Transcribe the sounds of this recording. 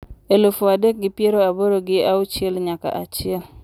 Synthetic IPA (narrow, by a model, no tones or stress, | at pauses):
elofoadek̚ɡɪpjeɾoaboɾoɡɪaʊt͡ʃɪɛlɲaka̰ʔat͡ʃɪɛl